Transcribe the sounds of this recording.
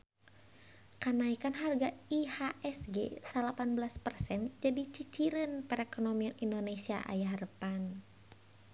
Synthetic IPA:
kanaikanɦarɡaihaʔɛsɡesalapanbəlaspərsɛnd͡ʒadit͡ʃit͡ʃiɾənpəɾɛkonomianindonesia̰ʔa̰jahrəpan

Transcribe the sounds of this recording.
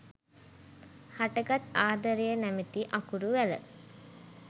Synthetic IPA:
haʈəɡat̪aːd̪əɾejənæmet̪iʔakuɾuʋælə̰

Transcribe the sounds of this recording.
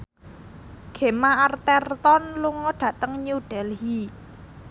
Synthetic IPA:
ɡ̥e̤maart̪ɛrt̪ɔnluŋɔɖ̥ä̤t̪əŋɲuɖ̥ɛlɦi

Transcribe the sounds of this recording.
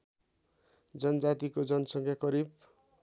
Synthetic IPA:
d͡zʌnʌd͡zat̪ikod͡zʌnʌsʌŋkʰjakʌɾib̚

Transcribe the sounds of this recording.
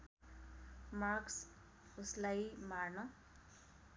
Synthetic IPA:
maks | uslajmarnʌ

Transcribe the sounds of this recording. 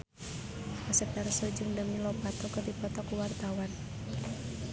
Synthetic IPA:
ʔasɛpɛrsɔd͡ʒɨŋdəmilɔpat̪ɔkɨrdipɔt̪ɔkuwart̪awan

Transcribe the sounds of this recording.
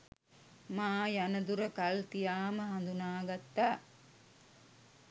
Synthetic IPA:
maːjanɐd̪uɾəkɐlt̪ijaːməɦɐnd̪unaːɡat̪ːaː

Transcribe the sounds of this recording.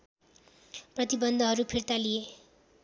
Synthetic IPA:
prʌt̪ibʌnd̪ʱʌɦʌɾupʰirt̪alije

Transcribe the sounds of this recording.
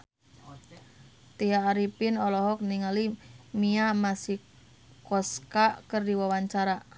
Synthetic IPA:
t̪iaːɾipɪnɔlɔɦɔk̚niŋalimiamasi | kɔskaʔkərdiwawaɲt͡ʃaɾa

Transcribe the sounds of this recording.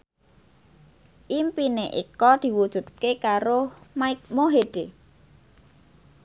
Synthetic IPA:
ʔimpineʔḭkɔd̪̥i̤wud̥ʒ̥ṳt̪̚kekaɾomaɪkmoɦeɖ̪̥e

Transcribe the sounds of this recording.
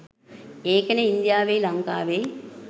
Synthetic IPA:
eːkəneind̪jaːʋejlɐŋkaːʋej

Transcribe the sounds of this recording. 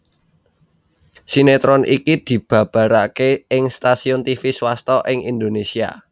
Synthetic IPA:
sinet̪ɾɔnikid̪̥i̤b̥ä̤b̥ä̤ɾakeɪŋst̪asiʊnt̪ifiswast̪ɔʔɪŋind̪onesia̰

